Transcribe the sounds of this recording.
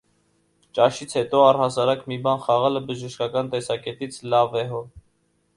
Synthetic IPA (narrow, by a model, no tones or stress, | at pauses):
t͡ʃɑʃit͡sʰhɛt̪ɔɑrhɑsɑɾɑkmibɑnχɑʁɑləbəʒəʃkɑkɑnt̪ɛsɑkɛt̪it͡sʰlɑvɛɦɔ